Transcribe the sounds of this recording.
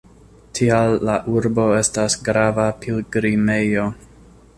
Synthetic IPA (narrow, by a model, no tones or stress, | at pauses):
tʰialːaʔuɾbo̞e̞stasɡɾavapʰilɡɾime̞jo̞